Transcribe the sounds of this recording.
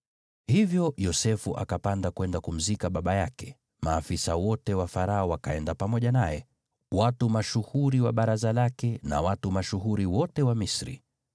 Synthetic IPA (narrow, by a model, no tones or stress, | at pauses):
hivjɔjɔsɛfuʔa̰kapandakwɛndakum̩zikaɓaɓajakɛ̥ | maːfisawɔtɛwafaɾaɔwakaɛndapamɔʄanajɛ | watumaʃuhuɾiwaɓaɾazalakɛna̰watumaʃuɦuɾiwɔtɛwamisɾḭ